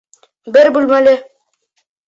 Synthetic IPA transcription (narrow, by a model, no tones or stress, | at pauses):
bɘɾbulmælɘ